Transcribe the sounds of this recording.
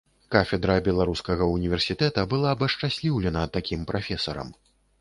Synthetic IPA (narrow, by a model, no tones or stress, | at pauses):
kafʲɛd̪ɾɐbʲɛlˠaɾuskɐɣɐunʲivʲɛrsʲit̪ɛt̪ɐbɨlˠaːbɐʂt͡ʂasʲlʲiwlʲɛnɐt̪akʲimpɾafʲɛsɐɾɐ̰m